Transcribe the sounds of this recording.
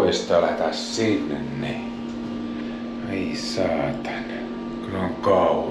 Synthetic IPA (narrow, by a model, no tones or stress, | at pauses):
est̪ɑɑlæhet̪æssinːḛnni | ei | sɑːt̪ɑ̥n | kyloŋkɑˑu